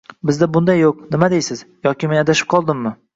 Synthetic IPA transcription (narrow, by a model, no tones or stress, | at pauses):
bɪzd̪abʊnd̪ajːoqnɪmad̪ejsɪzjɒkʲɪmenad̪aʃɪ̥p̚qʰɒlˠd̪ɪmːɪ